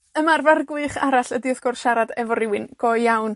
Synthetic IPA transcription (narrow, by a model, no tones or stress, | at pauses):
əmarvarɡwɨɨχaɾaɬədiɔθɡ̥ɔrʃaɾadɛvɔɾɪwɨnɡ̥ɔjjawn